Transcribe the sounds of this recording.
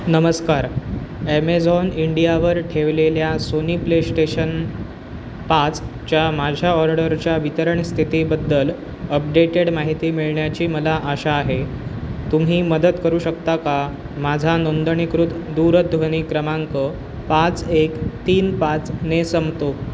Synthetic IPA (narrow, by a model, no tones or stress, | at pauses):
nəməskaɾemed͡zɔniɳɖijaʋəɾʈʰeʋleljasoniplesʈeɕən | pat͡st͡ɕjamad͡ʑʱjaɔɾɖəɾt͡ɕjaʋit̪əɾəɳst̪ʰit̪iːbəd̪ːəl | əp̚ɖeʈeɽmaɦit̪iːmiɭɳjat͡ɕiːməlaʔəɕaːɦe | t̪um̤iːməd̪ət̪kəɾuːɕəkt̪aka | mad͡zʱanond̪əɳikɾut̪d̪uɾəd̪ʱʋəñiːkɾəmaŋkə | pat͡sekt̪iːnpat͡snesəmt̪o